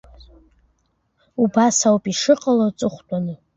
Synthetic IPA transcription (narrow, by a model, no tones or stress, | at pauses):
ubasawpʼiʂɨqʼalat͡sʼɨχʷtʼanɨ